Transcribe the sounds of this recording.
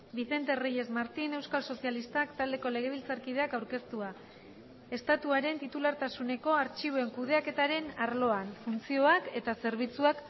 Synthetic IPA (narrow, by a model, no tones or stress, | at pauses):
biθe̞nt̪e̞rije̞zmaɾt̪ine̞wskalso̞sialist̪akt̪ald̪e̞ko̞le̞ɣ̞e̞β̞ilt͡saɾkið̞e̞akawɾke̞st̪ua | e̞st̪at̪uaɾe̞nt̪it̪ulaɾt̪asune̞ko̞aɾt͡ʃiβoe̞ŋkuð̞e̞ake̞t̪aɾe̞naɾlo̞anfunt͡sio̞ake̞t̪ase̞ɾβ̞it͡suak